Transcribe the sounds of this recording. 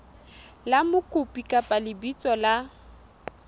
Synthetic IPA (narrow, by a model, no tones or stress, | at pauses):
lamʊkʼʊpʼikʼapʼalɪbit͡sʼɔla